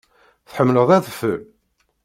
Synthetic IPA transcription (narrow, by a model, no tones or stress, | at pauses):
θħəmːləðˤæðəfə